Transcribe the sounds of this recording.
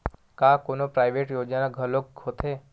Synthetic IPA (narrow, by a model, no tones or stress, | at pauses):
kakonopɾajʋeʈjod͡ʒanaɡʱəlok̚ɡʰʱot̪ʰe